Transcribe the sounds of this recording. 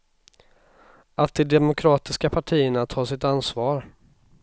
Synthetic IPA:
at̪̚d̪ɛd̪ɛmʊkʰɾɑːt̪ɪskapʰaʈʰiːəɳat̪ʰɑːsɪt̪ansvɑːɾ

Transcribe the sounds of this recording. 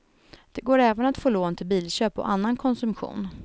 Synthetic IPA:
d̪̥ɛɡoːɾɛːvənat̪foːloːnt̪ʰɪlbiːlɕøːpɔ̰ʔanːankʰɔnsɵmɧṵːn

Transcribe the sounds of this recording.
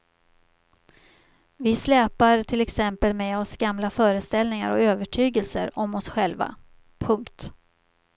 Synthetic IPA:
vɪslɛːpaɾʈʰɪlɛksɛmpəlmeɔsɡamlafœːɾəst̪ɛlnɪŋa̰ɾɔ̰øːvəʈʰyːɡəlsə̰ɾɔmɔsɧɛlva̰ | pʰɵŋkt̪

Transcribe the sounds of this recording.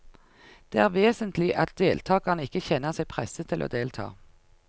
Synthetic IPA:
d̪̥eːæːʁʋeːsənt̪lɪʔɑt̪̚d̪eːlt̪ʰɑːɡɑʁnəɪkːəçɛnəʁsɛɪpʰʁɛsət̪ʰɪlʔo̰ːd̪eːlt̪ʰɑ̰ː

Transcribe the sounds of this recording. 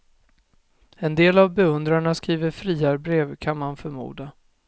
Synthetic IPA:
ɛnd̪eːlavbɛɵnd̪ɾaɳaskɾiːvəɾfɾiːaɾbɾeːvkʰanmanfœɾmṵːd̪a

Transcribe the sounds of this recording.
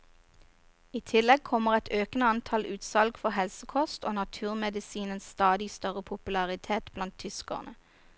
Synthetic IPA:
iːt̪ʰɪlɛɡ̚kʰɔməʁɛt̪ʰøːknəɑnt̪ʰɑlʉːt̪sɑlɡfɔʁhɛlsəkʰɔst̪oːnɑt̪ʰʉːʁmɛd̪ɪsiːnənsst̪ɑːd̪ɪst̪œʁəpʰʊpʉlɑʁɪt̪ʰeːt̪blɑnt̪ʰʏskɔ̰ʁnə

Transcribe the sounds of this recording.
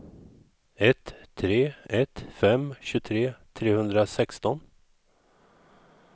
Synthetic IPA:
ɛt̪ʰːɾeːɛt̪fɛmɕɵt̪ʰɾeːt̪ʰɾeːhɵnd̪ɾasɛkst̪ɔn

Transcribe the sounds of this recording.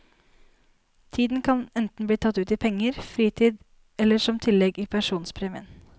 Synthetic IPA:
t̪ʰiːd̪n̩kʰɑnɛnt̪n̩bliːt̪ʰɑt̪ːʉːt̪ɪpʰɛŋːəɾfɾiːt̪ʰiːd̪ | ɛlːəʂɔmt̪ʰɪlːɛɡiːpʰæʂuːnspʰɾeːmɪ̰ə̰n

